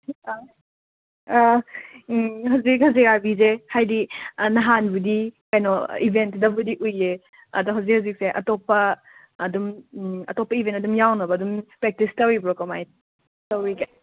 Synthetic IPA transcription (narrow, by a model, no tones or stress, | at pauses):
hawzik̚hɐziɡaɾbizehajdinɐɦanbudikajnɔ̰ibʱentdɐbudiʔuje | ɐdɔɦawzikhaʊzik̚seʔɐtɔpːɐ | dumɐtɔpːɐibʱentɐdumjawnɐbɐːdumpɾek̚tistɐwibɾɔkɐmaj | tɐwike